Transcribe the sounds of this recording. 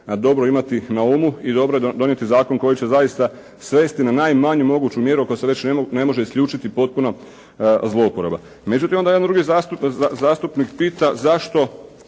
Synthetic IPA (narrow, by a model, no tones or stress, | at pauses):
d̪o̞bɾo̞imat̪inaumuid̪o̞bɾoed̪o̞nje̞t̪izaːko̞ŋko̞jit͡ɕe̞zajist̪a | sʋe̞ːst̪inanajmaɲumo̞ɡuːt͡ɕumje̞ɾuoko̞se̞ʋe̞t͡ɕnene̞mo̞ʒe̞iskʎʲuːt͡ʃit̪ipo̞t̪̚puno̞ | zlˠo̞upoɾeba̰ | me̞d͡ʑut̪imond̪ajed̪and̪ɾuɡizast̪uzaːst̪upnikpiːt̪azaʃt̪o̞